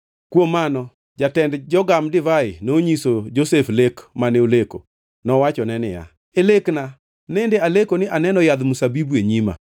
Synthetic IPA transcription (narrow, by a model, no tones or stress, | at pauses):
kwomːanɔ | d͡ʒatɛndd͡ʒɔɡamdɪvaɪnoɲisod͡ʒoseflekmaneoleko̰ | nɔwat͡ʃɔnɛnɪ̰ja̰ | elekna | nendealekonɪʔanɛnɔjad̪musabibueɲima̰